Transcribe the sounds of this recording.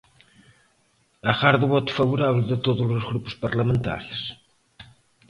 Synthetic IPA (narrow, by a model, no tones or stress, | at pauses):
ɐɣaɾðuβɔt̪u̥fɐβuɾaβlðɪt̪oðuzʊzɣɾupu̥spɐɾlɐmẽnt̪a̰ɾs